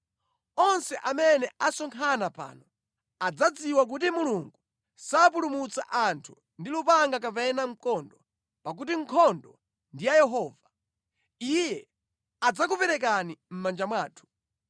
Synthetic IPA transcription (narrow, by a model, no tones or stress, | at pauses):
ɔnsɛʔamɛnɛʔasɔŋkʰanapa̰ːnɔ | ad͡zad͡ziwak̬ut̬imuluŋɡu | sap̬ulumut͡sa̰ʔantʰu | ndilupaŋɡak̬apɛnam̩kɔndɔ | pak̬utiŋ̩kʰɔndɔ | ndijajɛɦɔːva | ijɛ | ad͡zak̬upɛɾɛk̬anim̩mand͡ʒamwaːtʰu̥